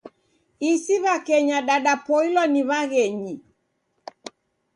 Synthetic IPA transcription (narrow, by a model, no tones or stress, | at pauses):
isiβakɛɲaɗaɗapɔilɔniβaɣɛɲi